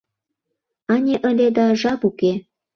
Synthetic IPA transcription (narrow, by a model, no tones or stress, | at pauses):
ɑnʲeʔə̆lʲed̪ɑʒɑpuke